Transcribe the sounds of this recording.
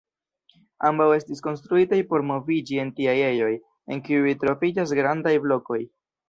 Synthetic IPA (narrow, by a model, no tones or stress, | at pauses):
ambawe̞stisko̞nstɾuitajpo̞ɾmo̞vid͡ʒie̞ntiaje̞jo̞j | e̞ŋkiuitɾo̞vid͡ʒas̬ɡɾandajblo̞ko̞j